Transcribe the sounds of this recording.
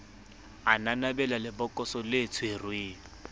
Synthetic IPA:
ananabɛlalɪbɔkʼɔsɔlet͡sʰʊerweː

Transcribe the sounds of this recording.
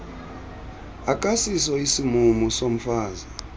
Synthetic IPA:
akʼasisɔisimumusom̩faːza

